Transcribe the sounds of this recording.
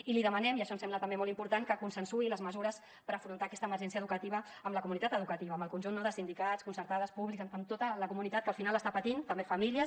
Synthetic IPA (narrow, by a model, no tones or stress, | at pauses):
iliðəmənɛmiəʃɔnsɛmlət̪ɐmbemɔlˠimpuɾt̪aŋkəkunsənsuiləzməzuɾəs | pəɾəfɾunt̪aːkɛst̪əməɾʒɛns̬iəðukət̪iβ̞əːmləkumunit̪at̪əðukət̪iβəːmbəlˠkunʲʒunːoðəsind̪ikaskunsəɾt̪aðəspuβlikzəmt̪ot̪ələkumunit̪at̪kəlˠfinaləst̪apət̪int̪əmbefəmiliə